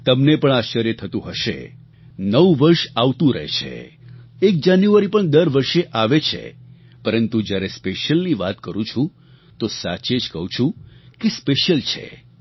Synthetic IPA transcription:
t̪əmnepəɳaʃəɾjət̪ʰət̪ũɦəʃḛ | nəʋʋəɾʃaʋt̪ũɾə̰ɦḛt͡ʃʰḛ | ek̚d͡ʒanjuʋaɾipəɳd̪əɾʋəɾʃeʔaʋet͡ʃʰḛ | pəɾənt̪ud͡ʒjaɾespeʃəlniʋat̪kəɾũt͡ʃʰũ | t̪osat͡ʃed͡ʒkə̰ɦũt͡ʃʰũkespeʃəlt͡ʃʰḛ

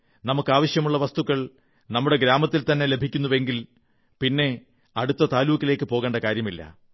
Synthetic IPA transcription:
nɐmukːɨaːʋɐɕjɐmuɭːɐʋɐst̪uɣɐɭ | nɐmːuɽe̞ɡɾaːmɐt̪ːilt̪ɐnːe̞le̞bʱikʲːunːuʋe̞ŋɡil | pinːe̞ | ɐɽut̪ːɐt̪aːluːkːile̞ːkːɨpoːɣe̞ːɳɖɐkaːɾjɐmilːɐ̰

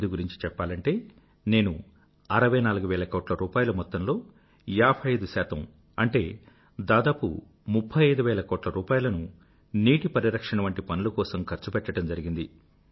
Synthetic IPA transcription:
d̪uɡuɾiɲt͡ʃi̥t͡ʃɛpːaːlɐɳʈe̞ː | ne̞ːnu | ɐɾɐʋɐjnaːluɡuʋɛːlɐkɔːʈlɐɾuːpaːjulɐmɔt̪ːɐmlo̞ː | jaːpʰɐjɐjd̪usaːt̪ɐm | ɐɳʈe̞ː | d̪aːd̪aːpṵ | mupʰːɐjɐjd̪uʋɛːlɐkɔːʈlɐɾuːpaːjulɐnu | niːʈipɐɾiɾɐkʂɐɳɐʋɐɳʈipɐnulukɔːsɐmkʰɐɾt͡ʃupɛʈːɐʈɐmd͡ʒɐɾiɡind̪i

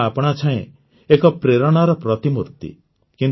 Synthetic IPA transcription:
apɔɽ̃at͡ʃʰaẽ | ekɔpɾeɾɔɽ̃ɔɾɔpɾɔt̪imuɾt̪ḭ | kin

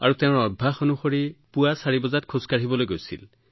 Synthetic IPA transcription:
a̰ɹut̪eʊ̃ɹɔbʱaxonuxoɹipuasaɹibɔzat̚kʰuskaɽibɔlojɡojsḭl

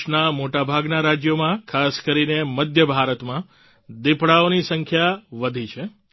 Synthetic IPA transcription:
namoʈabʱaɡnaɾad͡ʒjomãkʰaskəɾineməd̪ʱjəbʱaɾət̪mã | d̪ɪpɽaonisəŋkʰjaʋəd̪ʱit͡ʃʰe

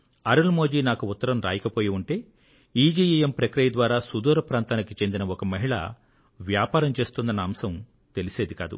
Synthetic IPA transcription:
ɐɾɐlmoːd͡ʒiːnaːkuʊt̪ːɐɾɐmɾa̰ːjɐkɐpo̞ːjiuɳʈe̞ː | iːd͡ʒiːjijempɾɐkɾijɐd̪ʋaːɾaːsud̪uːɾɐpɾaːnt̪aːnikit͡ʃe̞nd̪inɐɔkɐmɐɦiɭɐ̰ | ʋjaːpaːɾɐmt͡ʃe̞ːst̪und̪ɐnɐɐmsɐm | t̪e̞lise̞ːd̪ikaːd̪ṵ

